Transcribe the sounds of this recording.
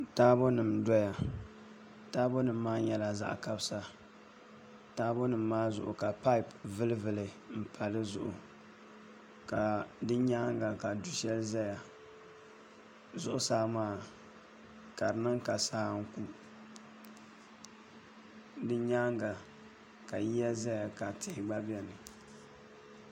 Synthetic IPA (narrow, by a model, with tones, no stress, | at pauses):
taː˦bo˦nɨ˨mdɔ˦ja˨ | taː˦bo˦nɨ˨m̩ː˦aː˦jɛ˨la˨za̰˦ʔka˦bsa˨ | taː˦bo˦nɨ˨mː˦aː˦zʊ̰˨ʔʊ˨ka˨pa˦i˦˨pvɨ˦lɨ˦vɨ˨lɨ˨ | m̩˦pʰa˨lɨ˦zʊ̰˨ʔʊ̰˨ | ka˨dɨ˦ɲa˦ŋ˦ɡa˨ka˨du˨ʃɛ˦lɨ˦za˦ja˨ | zʊ˦ʔʊ˦saː˦maː˦˨ | ka˨ɾɨ˨nɨ˦ŋka˨saː˦ŋ̩˦ku˦ | dɨ˦ɲa˦ŋɡa˨ | ka˨ji˦ja˦za˦ja˨ka˨tʰɪ˨hɪ˨ɡ͡ba˦bɛ˦nɨ˨